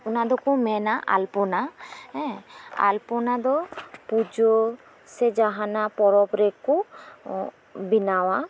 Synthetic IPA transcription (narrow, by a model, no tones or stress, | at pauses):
unad̪ɔkumɛnaʔa̰lpɔnaɛ̃a̰lpɔnad̪ɔpud͡ʒɔ | sɛd͡ʒaɦanapɔɾɔpɾɛku | binawa